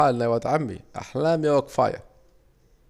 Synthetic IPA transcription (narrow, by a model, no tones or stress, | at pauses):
aːlːajwat̪ʕamːḭʔa̰ħlaːmjawakfa̰ːja̰